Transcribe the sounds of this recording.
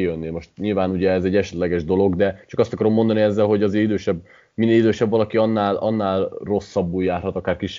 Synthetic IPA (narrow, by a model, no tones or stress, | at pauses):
jønːimo̞ʃt̪ɲilvaːnuɟɛɛzɛɟːɛʃɛt̪lɛɡɛʒd̪o̞lo̞ɡd̪ɛt͡ʃɒkɒst̪ɒkɒɾo̞mːond̪ɒniɛzːɛlɦoɟɒzeːɾid̪øːʃɛbː | minːeːlid̪øːʃɛbvɒlɒkiɒnːaːlɒnːaːlro̞sːɒbːuːljaːrɦɒt̪ɒkaːrkiʃ